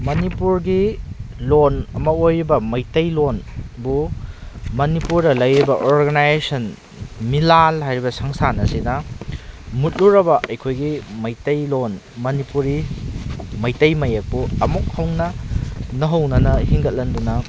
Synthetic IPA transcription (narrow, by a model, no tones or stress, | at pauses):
mɐnipuɾɡilonɐmɐojɾibɐmɐjtɐjlonbu | mɐnipuɾdɐlɐjɾibɐʔoɾɡɐnajzesɐn | milalɦajɾibɐsɐŋsanɐsinɐ | mut̚luɾɐbɐʔɐjkʰojɡimɐjtɐjlon | mɐnipuɾi | mɐjtɐjmɐjek̚buɐmuk̚hɐwnɐnɐɦɐwnɐnɐhiŋɡɐt̚lɐndunɐ